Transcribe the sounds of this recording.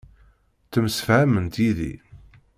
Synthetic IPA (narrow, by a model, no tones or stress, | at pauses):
t͡sːəmsə̥fʕæmənt̪jiðḭ